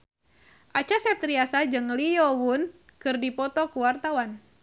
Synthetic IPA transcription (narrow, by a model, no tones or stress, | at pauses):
ʔat͡ʃasɛp̚t̪ɾiasad͡ʒɨŋlijɔwun | kɨrdipɔt̪ɔkuwart̪awan